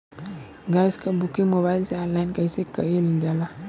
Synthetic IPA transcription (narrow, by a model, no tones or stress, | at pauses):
ɡajskabukimoβalsealajnkaisikːaild͡ʒala